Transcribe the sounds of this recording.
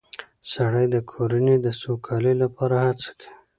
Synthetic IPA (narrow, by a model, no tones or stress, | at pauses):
saɽəjd̪əkʰoɾaned̪əsokʰɑlelapɑɾahat͡sḁkʰi̥